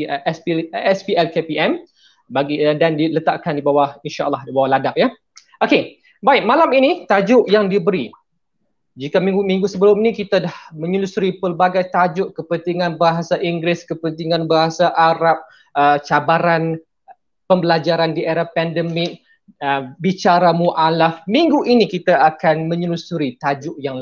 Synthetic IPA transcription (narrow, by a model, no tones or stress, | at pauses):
ʔɛsʔɛspiɛlkepiʔɛm | baɡidandilət̪aʔkandibawahinʃaʔəlˠːahdibawaladak̚ja | ʔoke | baɪk̚malaminit̪ad͡ʒʊʔjaŋdibəɾi | d͡ʒikamĩŋɡumĩŋɡusəbəlʊmnĩkit̪adahmə̃ɲulusɾipəlbaɡajt̪ad͡ʒʊʔkəpənt̪iŋãnbaɦasaʔiŋɡɾɪskəpənt̪iŋãnbaɦasaʔaɾap̚ | ət͡ʃabaɾan | pəmbəlad͡ʒaɾandiʔeɾapɛndəmɪk̚ | əbit͡ʃaɾamuʔalafmiŋɡuʔinikit̪aakanmə̃ɲulusuɾit̪ad͡ʒʊʔjaŋ